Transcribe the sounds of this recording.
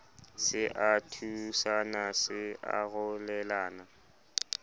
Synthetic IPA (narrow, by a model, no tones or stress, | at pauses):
sɪʔatʰusanasɪa̰ɣʊlɛlaːna